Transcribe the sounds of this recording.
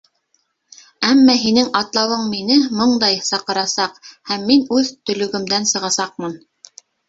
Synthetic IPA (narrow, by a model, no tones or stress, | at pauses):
æmːæɦinɘŋɑt̪lˠɑwɤɴminɘmɤɴd̪ɑjsɑqɤ̆ɾɑsɑqhæmːinʉðt̪ɵ̆lɵ̆ɡɵ̆md̪ænsɤ̆ʁɑsɑq̚mɤn